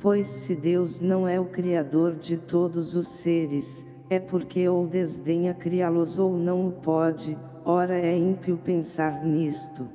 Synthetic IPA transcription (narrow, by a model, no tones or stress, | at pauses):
pojsːɪd̪ewznɐ̃w̃ɛʊkɾiad̪oɾd͡ʒɪt̪od̪ʊzʊseɾɪs | ɛpoɾkeowd̪ezd̪ẽɲɐkɾialʊzownɐ̃w̃ʊpɔd͡ʒɪ | ɔɾɐɛĩmpiʊpẽsaɾnist̪ʊ